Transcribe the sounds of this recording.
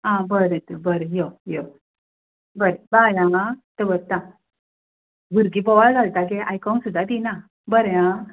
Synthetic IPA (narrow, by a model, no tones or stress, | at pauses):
ãbəɾə̃t̪əbəɾəjojo | bəɾebajãt̪əbəɾt̪ã | buɾɡipɔʋald͡zʱalt̪ak̬eʔajkɔnsud̪ʱːat̪ina | bəɾjã